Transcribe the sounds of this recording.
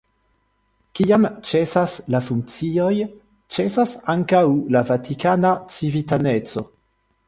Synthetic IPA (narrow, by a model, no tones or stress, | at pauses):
kiamt͡ʃe̞saslafuŋk̚t͡sio̞j | t͡ʃe̞sasaŋkawlavatikanat͡sivitane̞t͡so̞̰